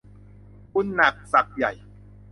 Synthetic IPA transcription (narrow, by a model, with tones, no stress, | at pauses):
ku˧˥nːa˨˩k̚sa˨˩k̚ja̰˨˩j